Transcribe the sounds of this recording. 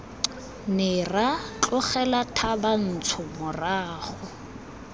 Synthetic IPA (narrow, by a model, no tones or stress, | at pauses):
nɪrat͡ɬɔχɛlatʰaban̩t͡sʰʊmʊraːχʊ